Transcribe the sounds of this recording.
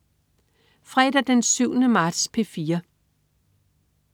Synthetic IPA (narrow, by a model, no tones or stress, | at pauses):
fʁɛd̥æd̥ensyʊ̰nəmɑ̈ːd̥spʰe̝fiːɐ